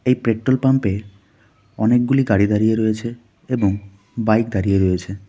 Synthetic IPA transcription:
ejpɾeʈːolpampe | ɔnek̚ɡuliɡaɽid̪aɾijeɾojet͡ɕʰe | eboŋ | bajkd̪aɾijeɾojet͡ɕʰe

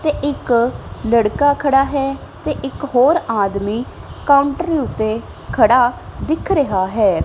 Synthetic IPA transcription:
t̪eːʔɪkləɽkaːkʰəɽaːɦɛː | t̪eːʔɪkɦoːɾaːd̪miːkaːʊɳʈəɾiːʊt̪ːeː | kʰəɽaːd̪ɪkʰɾəɦaːɦɛː

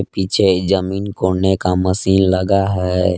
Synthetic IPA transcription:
piːt͡ʃʰed͡ʒəmiːnkoːɽnekaməsiːnləɡaɦɛ

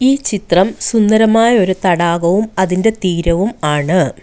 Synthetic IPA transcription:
iːt͡ɕit̪rɐmsund̪ɐɾɐmaːjɐo̞ɾut̪ɐɽaːɣɐʋumɐðinde̞t̪iːɾɐʋumaːɳɨ

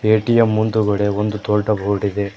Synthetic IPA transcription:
eːʈijɐmːunt̪uɡɐɽeond̪ut̪oːɭʈɐbʱoːɽid̪e

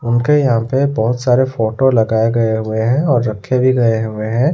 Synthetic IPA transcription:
ʊnkejɐɦãpebɔɦʊt̪saːɾefoːʈolɐɡaːeɡɐeɦʊeɦɛ̃ɔːɾːɐkʰːebʱiɡɐeɦʊeɦɛ̃ː

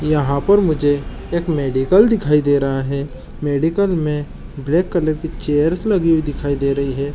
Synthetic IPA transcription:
jɐɦãpɐɾmʊd͡ʒʱe | eːkmeːɖɪkəld̪ɪkʰaːid̪eːɾɐɦaɦɛ | meːɖɪkəlmẽ | bleːkːɐləɾkit͡ʃeːjəɾslɐɡiwid̪ɪkʰaːid̪eːɾɐɦiɦɛː

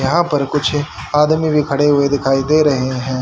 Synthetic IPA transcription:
jɐɦãːpɐɾkʊt͡ʃʰaːd̪mibʱikʰɐɽeɦʊed̪ɪkʰaːid̪eːɾɐɦeɦɛ̃ː

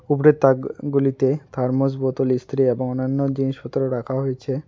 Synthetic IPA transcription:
upɾet̪ːaɡulit̪et̪ʰaɾmos̬bot̪olist̪ɾieboŋonːanːod͡ʑiniʃot̪ːoɾoɾakʰaɦojet͡ɕʰe

